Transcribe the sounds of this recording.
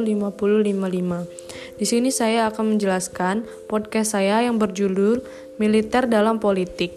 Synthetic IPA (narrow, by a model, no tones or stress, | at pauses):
limapululimalima | disinisajaːkanməɲd͡ʒəlaskan | pɔd̚kɛst̪sajajaŋbərd͡ʒulʊr | milit̪ɛrdalampolit̪ɪk̚